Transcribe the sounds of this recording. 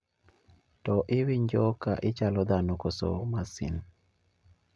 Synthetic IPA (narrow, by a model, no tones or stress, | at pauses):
tɔʔiwiɲd͡ʒɔkaʔit͡ʃalɔd̪anɔkoso̰masḭn